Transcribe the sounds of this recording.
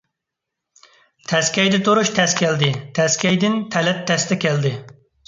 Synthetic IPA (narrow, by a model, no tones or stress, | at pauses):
t̪ʰɛskʲɛjd̪ɛt̪uɾuʃt̪ʰɛskʲʰɛld̪ɪt̪ʰɛskʲɛjd̪ɪnt̪ʰɛlɛt̪ʰːɛst̪ɛkʲɛld̪ɪ